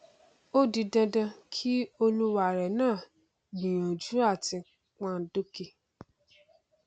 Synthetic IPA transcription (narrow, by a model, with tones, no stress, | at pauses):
o˦di˧dã˧dã˧kʰi˦o˧lu˦wa˦˨ɾɛ˨nãː˦˨ | nĩ˨j̃ã˨d͡ʒu˨˦a˦˨ti˧ | k͡pã˦˧˦do˦ki˦˧